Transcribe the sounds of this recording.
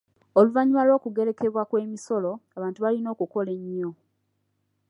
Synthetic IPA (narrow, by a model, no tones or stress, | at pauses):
oluvaɲimalwo̞ːkuɡe̞ɾe̞ke̞βwakwe̞ːmiso̞lo̞aβaːntuβalino̞ːkuko̞le̞ɲːo̞